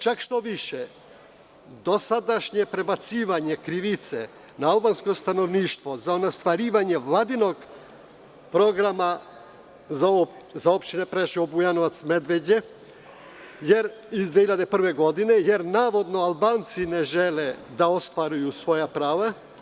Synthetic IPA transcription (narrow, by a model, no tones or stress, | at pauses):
t͡ʃakʃt̪o̞ʋiʃe | d̪o̞sad̪aʃɲepɾe̞bat̪siːʋaɲekɾiʋit̪sḛ | naalˠbanskost̪ano̞ʋniːʃt̪ʋozaonast̪ʋaɾiːʋaɲeʋlˠad̪inoɡ | pɾo̞ɡɾama | z | zaopʃt̪inepɾeʃiobujanoʋat̪sme̞d̪ʋed͡ʑe | jeɾizd̪eçiʎad̪epr̩ʋeɡo̞d̪inejeɾnaːʋo̞d̪no̞alˠbaːnt̪sineʒeled̪aost̪ʋaɾujusʋo̞japɾaːʋa